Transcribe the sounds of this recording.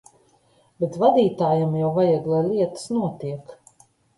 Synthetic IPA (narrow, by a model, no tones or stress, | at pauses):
bʲet̪vad̪iːt̪aːjamjawvajaɡlˠajlʲiɛt̪ə̥snuɔt̪iɛk